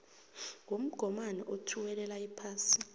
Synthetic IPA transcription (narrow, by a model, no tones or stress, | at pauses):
ŋʱom̩ɡ̥ʱɔmanɛʔotʰuwɛlɛlaipʰaːsi̥